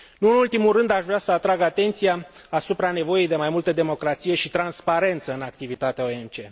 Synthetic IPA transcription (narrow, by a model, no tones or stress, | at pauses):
nuɨnult̪imurɨnd̪aʃvɾeasəat̪ɾaɡat̪e̞nt̪sijaːsupɾane̞vo̞jejd̪e̞majmult̪əd̪e̞mo̞kɾat̪sije̞ʃit̪ɾanspaɾe̞nt̪səɨnak̚t̪ivit̪at̪eaoe̞mt͡ʃe̞